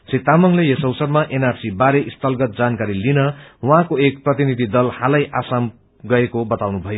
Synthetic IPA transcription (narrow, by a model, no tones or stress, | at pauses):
sit̪amʌŋlejʌsʌwsʌrmaʔenarsibaɾeʔist̪ʌlɡʌt̪̚d͡zankaɾilinʌwʌɦãkoek̚prʌt̪inid̪ʱid̪ʌlhalʌjʔasam | ɡʌekobʌt̪awnubʱʌjo